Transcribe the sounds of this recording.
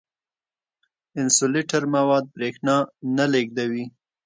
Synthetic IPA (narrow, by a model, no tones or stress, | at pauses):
ɪnsoleʈaɾmawɑd̪̚bɾexnɑnaleɡd̪awi